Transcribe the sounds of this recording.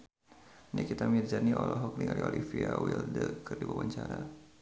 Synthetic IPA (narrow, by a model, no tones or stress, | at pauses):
nikit̪amird͡ʒaniʔɔlɔɦɔkniŋaliolifiawildəkərdibawaɲt͡ʃaɾa